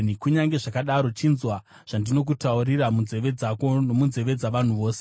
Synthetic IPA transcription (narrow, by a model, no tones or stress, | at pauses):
nikuɲaŋɡe̞ʐakaɗaɾo̞t͡ʃinzwa | ʐ̥andino̞k̬utauriramunze̞ʋe̞d͡zakonomunze̞ʋe̞d͡zaʋan̤uʋo̞ːse̥